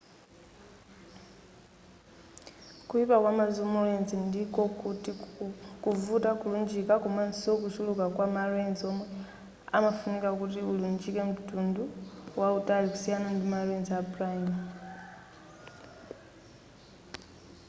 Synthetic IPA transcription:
kuipakwamazumulenzindikɔkutikuvutakulund͡ʒikakumansiok̬usulukakwamalwenziɔmwɛ | a̰mafunikakutiulund͡ʒikem̩tunduwautaliku̥sijanandimalwenziapraim

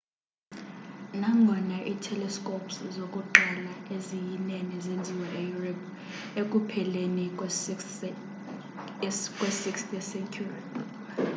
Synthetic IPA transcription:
naŋʱɔnaʔitʰɛlɛskʼopʰszokʼuǃalaezijinɛnɛzend͡zʱiwɛʔejurɛp | ekʼupʰɛleni | kʼwɛsikstɛsɛnkʰuri

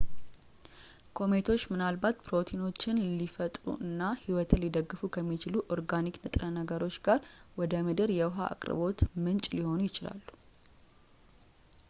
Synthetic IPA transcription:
kʰo̞me̞t̪ʰo̞t͡ʃːmɨnalbat̪pɾo̞t̪ʰino̞t͡ʃːɪnlifət̪ʼɾṵʔɨnːahiwɔt̪ʰɨnlid̪əɡːɨfukʰəmːit͡ʃɪluʔoɾɡaniknɨt̪ʼɾənəɡəɾo̞t͡ʃːɡaɾwɔd̪əmɨd̪ɨɾjɛwɦa̰ʔa̰kʼɾɨ̰bo̞t̪mɨnt͡ʃʼliho̞nujɪt͡ʃɪla̰lːu̥

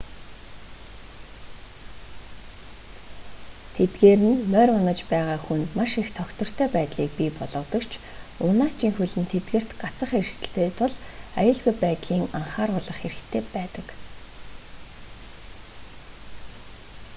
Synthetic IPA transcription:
t̪ʰet̪ɡeːɾɘ̆nmœɾʊnə̆t͡ɕpæːʁaːxunmaʃixt̪ʰɔkt̪ɞ̆r̥t̪ʰœːpæːt̪ɮiːk̚pipɔɮʁɞ̆t̪ɞ̆kt͡ɕʰ | ʊnaːt͡ɕʰiːŋxuɮɘ̆nt̪ʰet̪ɡɘ̆r̥t̪ɢat͡sə̆χersɘ̆ɬt̪eːt̪ʰʊɮajʊːɮɣujpæːt̪ɮiːŋaɴχaːrʊːɮə̆χxeɾɘ̆xt̪ʰeːpæːt̪ə̆k

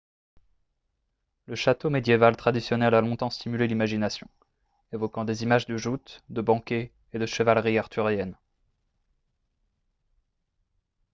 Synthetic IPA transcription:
ləʃat̪omed̪jevalt̪χad̪isjɔnɛlalɔ̃t̪ɑ̃st̪imylelimaʒinasjɔ̰̃ | evɔkɑ̃d̪ezimaʒd̪əʒut̪d̪əbɑ̃kʲeː | d̪əʃəvalʁiaʁt̪yʁjɛn

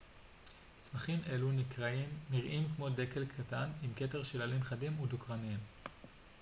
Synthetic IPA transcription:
t͡smaχimʔe̞lunikʁaimniʁʔimkmo̞de̞ke̞lkʰatanimke̞te̞ʁʃilalimχadimudukʁanim

